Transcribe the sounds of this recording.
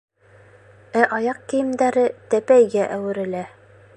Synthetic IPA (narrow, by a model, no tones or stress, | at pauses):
æʔɑjɑq̚kĭjɘ̆md̪æɾɘt̪æpæjɡæʔæwɘ̆ɾɘ̆læ